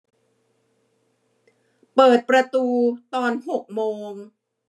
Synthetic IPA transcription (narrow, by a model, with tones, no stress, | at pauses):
pɤː˨˩t̪̚pɾa˧t̪uː˧t̪ɔː˧nɦo˨˩k̚moː˧ŋ